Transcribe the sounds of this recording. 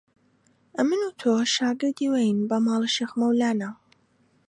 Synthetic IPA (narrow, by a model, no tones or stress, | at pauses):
ɐmɨnut̪ʰoʃaːɡɨɾd̪iːwejnbɐmɑːlˠɨʃexmɐwlaːnaw